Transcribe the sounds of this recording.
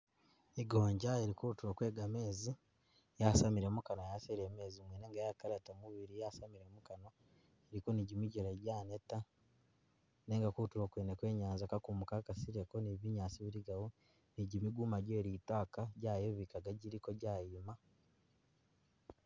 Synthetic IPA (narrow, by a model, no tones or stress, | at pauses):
iɡoːɲɟaeɾikuutuɾwokwe̞ːɡame̞ːzi | jasamiɾemukanojaseɾeːme̞ːzimweːneŋɡajakaɾetamuβiɾijasamiɾe̞mukano | eɾikoniɟimiɟeɾeɟaːneta | neːŋɡakuutuɾwokweːnekwe̞ːɲaːnzakakumukakasiɾekoniβiɲaːsiβiɾiɡawo | niɟimiɡumaɟoeɾiːtwaːkaɟaːjeβikaɡaɟiɾiko̞ɟaːjima